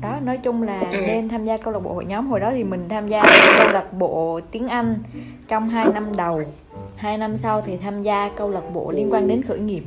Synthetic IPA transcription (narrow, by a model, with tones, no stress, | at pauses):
ɗɔ˨˦nɔ˨˦jt͡ɕʊ˧ŋ͡mlaː˨˩ne˧nt̪ʰaː˧mzaː˧kə˧wlə˨˩ɓo̰˧˨˩hjɲɔ˨˦mɦo˨˩jɗɔ˨˦t̪ʰi˨˩mï˨˩ŋ̟t̪ʰaː˧mzaː˧˩kə˧wlə˨˩t̚ɓo̰˧˨t̪i˨˦ənʔa˧jŋ̟ | t͡ɕɔ˧wŋ͡mɦaː˧jna˧mɗə˨˩w | haː˧jna˧msa˧wt̪ʰi˨˩t̪ʰaː˧mzaː˧kə˧wlə˨˩t̚ɓo̰˧˨li˧ənkwaː˧nɗe˨˦nxɨ̰˧˩jŋi˨˩əp̚